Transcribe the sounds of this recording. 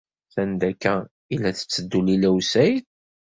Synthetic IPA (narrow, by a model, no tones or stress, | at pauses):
θænd̪ækːæ | ilːæθə̥t͡sːəd̪ːulilæwsæjθ